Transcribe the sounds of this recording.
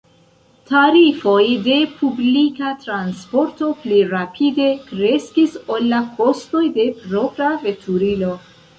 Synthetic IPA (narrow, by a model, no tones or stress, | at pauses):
taɾifo̞jde̞pʰublikatɾanspo̞ɾto̞pliɾapʰide̞kɾe̞skiso̞lːakʰo̞sto̞jde̞pɾo̞pɾave̞tʰuɾilo̞